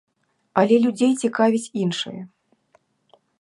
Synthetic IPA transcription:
ɐlʲɛlʲud͡zʲejt͡sʲikavʲit͡sʲinʂɨ̰jɐ

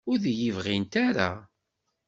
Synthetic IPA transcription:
ʊðjivʁint̪aɾa̰

